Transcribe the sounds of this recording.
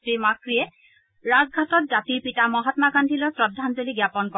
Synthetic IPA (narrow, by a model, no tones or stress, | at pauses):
ɹimakɹijɛ | ɹazɡʱatɔt̚zatiɹpitamɔɦɔtmaɡandʱilɔɹsɹɔdʱːanzoliɡjapɔnkɔ